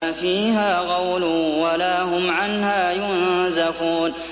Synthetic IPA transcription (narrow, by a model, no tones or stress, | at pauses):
fiːɦaːɣɑwlʊwalaːɦʊmʕanhaːjʊnzafuːn